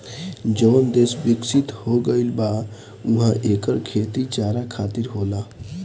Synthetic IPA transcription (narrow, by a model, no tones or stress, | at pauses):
d͡ʒəːnd̪eːsbɪksɪt̪hoɡəɪlba | uɦãʔeːkəɾkʰeːt̪it͡ʃaːɾakʰaːt̪ɪɾɦoːla